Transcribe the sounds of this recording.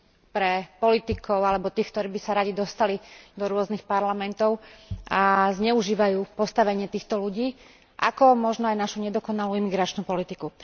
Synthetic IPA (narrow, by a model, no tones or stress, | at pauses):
pɾɛpɔlit̪ikʰɔʊalɛbɔt̪iːxkt̪ɔɾiːbisaɾaɟid̪ɔst̪alid̪ɔɾʊɔznixpaɾlamɛnt̪ɔʊazɲɛuʒiːʋajuːpɔst̪aʋɛɲɪɛt̪iːxt̪ɔluɟiː | ʔa̰kɔmɔʒnɔajnaʃuɲɛd̪ɔkɔnaluimiɡɾat͡ʃnupɔlit̪iku